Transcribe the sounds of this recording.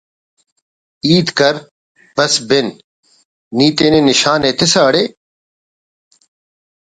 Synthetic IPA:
iːd̪kɐɾ | bɐsbɪnː | iːt̪eːnenɪʃaːneːt̪ɪsaːɐɽeː

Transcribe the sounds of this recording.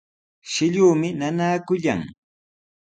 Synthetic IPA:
ʃɪʎuːmɪnanaːkʊʎa̰ŋ

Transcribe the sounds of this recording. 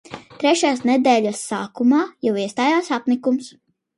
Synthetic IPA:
t̪ɾɛʃjaːsnɛd̪ɛːʎʲasːaːkumaːjawiɛst̪aːjaːsapnikums

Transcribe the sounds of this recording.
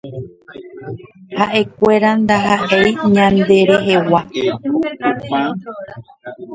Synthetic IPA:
haʔe̞kʷe̞ɾand̪aɦaʔejɲãnd̪e̞ɾe̞ɦe̞wa

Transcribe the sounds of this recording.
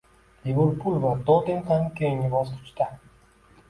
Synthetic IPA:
livʊɾpʰʊlvad̪ot̪ɪŋχamkʲʰeŋɪbɒst̪ʰʊ̥t͡ʃt̪a

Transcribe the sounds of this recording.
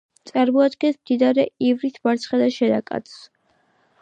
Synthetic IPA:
t̪sʼaɾmɔad̪ɡɛsmd̪inaɾɛivɾisʰbaɾt̪sʰχɛd̪aʃɛd̪akʼa̰t̪sʰs

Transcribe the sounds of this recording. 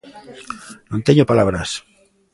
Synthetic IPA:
nõnt̪eɲopalaβɾas

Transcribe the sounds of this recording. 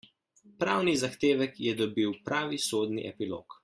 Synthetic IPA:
pɾaːwnizaxt̪eːʋɛkjɛd̪ɔbiwpɾaːʋisoːd̪nḭʔɛpilo̰ːk

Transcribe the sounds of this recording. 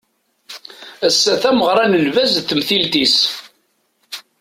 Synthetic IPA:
æsːæθæməʁɾˤɑnəlvæzθəmθilt̪is

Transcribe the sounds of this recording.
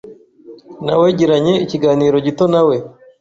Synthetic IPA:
naweɟiɾaɲe̞iciɡaːniːɾo̞ɟito̞nawe

